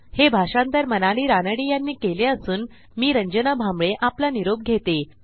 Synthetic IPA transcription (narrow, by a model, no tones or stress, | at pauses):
hebʱaʂant̪əɾmənaɭiːɾanəɽiːjanːiːkeleəsuːn | miːɾəɲd͡ʑənabʱamɭeʔaplaniɾob̚ɡʱet̪e